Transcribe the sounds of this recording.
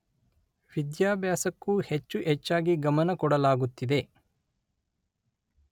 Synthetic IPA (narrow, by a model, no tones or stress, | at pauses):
ʋid̪jaːbjaːsɐkːuhet͡ʃːuʔɛt͡ʃːaːɡiɡɐmɐnɐkɔɽɐlaːɡut̪ːid̪e̞